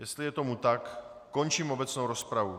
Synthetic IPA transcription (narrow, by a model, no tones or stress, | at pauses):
jɛst̪lɪjɛt̪omut̪akː | ont͡ʃiːmobɛt͡snowɾospɾavu